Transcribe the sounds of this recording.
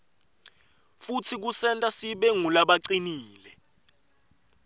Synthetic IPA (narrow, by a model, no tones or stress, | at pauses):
futʰik̬usɛntʼasiɓeŋulaɓaǀiniːlɛ